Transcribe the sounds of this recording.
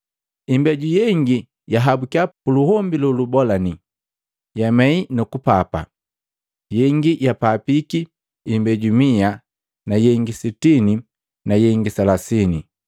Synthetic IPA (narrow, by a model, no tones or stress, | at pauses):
imbɛɟujɛŋɡi | jaɦabukapuluhɔmbilulubɔlani | jamɛinukupapa̰ | jɛŋɡijapapikiː | mbɛɟumia | najɛŋɡisitini | najɛŋɡisalasini